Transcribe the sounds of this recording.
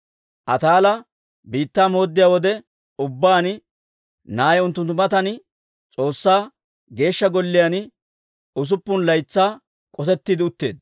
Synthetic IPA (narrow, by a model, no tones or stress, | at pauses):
ʔɐt̪aːlɐ | biːt̪ːaːmo̞ːd̪ːɪjaːwɔd̪ɛ | ʊbːaːn | naːjɛʊnt̪ːʊnt̪ːʊmɐt̪ɐn | t͡sʼo̞ːsːaː | ɡe̞ːʃːɐɡɔlːɪjan | ʊs̬ʊpːʊnlɐjt͡sːaː | kʼɔsɛt̪ːɪd̪ɪʊt̪ːe̞̰ːd̪̚